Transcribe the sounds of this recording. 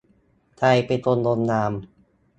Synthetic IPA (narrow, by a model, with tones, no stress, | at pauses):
t̪ʰa˧jpe˧nt̪o˧ndo˧nːaː˧m